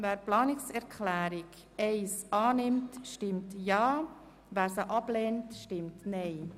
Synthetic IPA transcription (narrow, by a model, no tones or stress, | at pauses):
væːɾplɑːnɪksɛɾkʰχlæːɾɪk | ɛɪsʔɑːnɪmtʃtɪmtjɑː | væːɾsəʔɑb̥leːntʃtɪmtnɛɪ